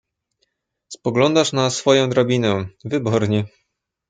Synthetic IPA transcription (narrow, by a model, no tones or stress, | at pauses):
spɔɡlɔnd̪aʂnasfɔjɔ̃w̃d̪ɾabʲinɛvɘbɔɾɲɛ